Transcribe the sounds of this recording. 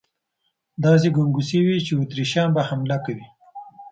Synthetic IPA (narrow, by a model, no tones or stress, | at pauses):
d̪ɑs̬eɡuŋɡusiwit͡ʃeut̪ɾiʃɑnbahamlakawi